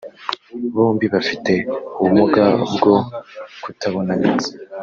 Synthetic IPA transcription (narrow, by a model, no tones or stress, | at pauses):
βuːmbiβafite̞uβumuɡabɡo̞kutaβo̞naneze